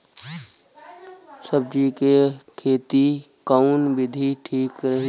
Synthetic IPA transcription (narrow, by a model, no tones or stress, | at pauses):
səb̚d͡ʒikekʰeːt̪i | kaunʋɪd̪ʱiʈʰiːkɾəɦi